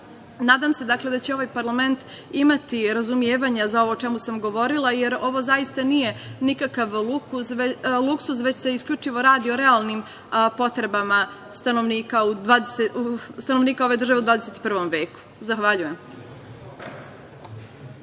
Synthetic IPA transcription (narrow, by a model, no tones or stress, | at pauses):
naːd̪amse̞d̪akle̞d̪at͡ɕeo̞ʋajpaɾlˠame̞nt̪ | imat̪iɾazumjeːʋaɲazao̞ʋo̞t͡ʃe̞musamɡo̞ʋo̞ɾilˠajeɾo̞ʋo̞zaist̪anije̞nikakaʋlukuslˠuksusʋe̞t͡ɕse̞iskʎʲut͡ʃiʋo̞ɾaːd̪ioɾealˠnim | po̞t̪ɾe̞bama | st̪ano̞ʋniːkaud̪ʋaːd̪esest̪ano̞ʋniːkao̞ʋe̞d̪r̩ʒaʋeud̪vaːd̪eset̪i̥pr̩ʋo̞mʋeːku̥zaxʋaʎuje̞m